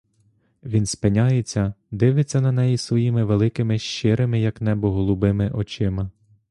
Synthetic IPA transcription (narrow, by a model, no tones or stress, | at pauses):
ʋʲinspenʲajet͡sʲːɐd̪ɪʋɪt͡sʲːɐnɐnɛjisʋɔjimɪʋelˠɪkɪmɪʃt͡ʃɪɾɪmɪjɐknɛbɔɦɔlˠubɪmɪʔɔt͡ʃɪmɐ